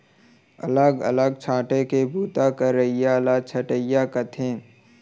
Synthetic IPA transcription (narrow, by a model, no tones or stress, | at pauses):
ɐ̰ləɡə̰ləɡ̚t͡ʃʰãːʈekebʱuːt̪akəɾːəɪjalat͡ʃʰɐʈəɪjakət̪ʰẽː